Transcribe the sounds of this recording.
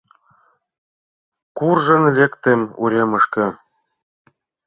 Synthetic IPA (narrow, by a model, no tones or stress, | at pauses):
kurʒɤ̆nlekt̪emṵɾʲemɤ̆ʃkɤ̆